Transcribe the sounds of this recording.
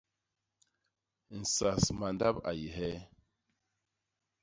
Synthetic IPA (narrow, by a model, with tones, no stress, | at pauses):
n̩˨sa˨sma˨n˦da˦pa̰˨ji˨ɦɛ˦